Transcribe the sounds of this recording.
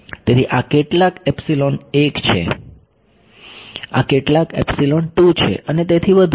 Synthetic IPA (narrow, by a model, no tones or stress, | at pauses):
t̪et̪ʰiʔakeʈlakɛpsilonekt͡ʃʰḛ | a̰keʈlakɛ̰psilonʈut͡ʃʰḛʔənet̪et̪ʰiʋəd̪ʱ